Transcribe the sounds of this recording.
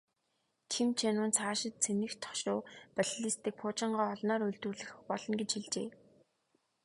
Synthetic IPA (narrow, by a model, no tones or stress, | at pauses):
t͡ɕʰimt͡ɕʰenʊːnt͡sʰaːʃɪ̆t̪̚t͡sʰenɘ̆xt̪ʰːɔ̥ʃʊːpaɮɮist̪ɘ̆k̚pʰʊːt͡ɕɪ̆ɴɢaːɔɮnɔːɾɵɮt̪ŭrɮɘ̆x̆xpɔɮ̥ɞ̆nɡet͡ɕxiɮt͡ɕeː